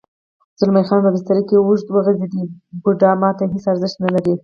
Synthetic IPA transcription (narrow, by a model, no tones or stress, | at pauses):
z̥ʊlmajxɑnpəbɪst̪aɾəkewʊʒt̪wəɣəzid̪ibʊɖɑmɑt̪aɦesaɾzəʃt̪nalaɾi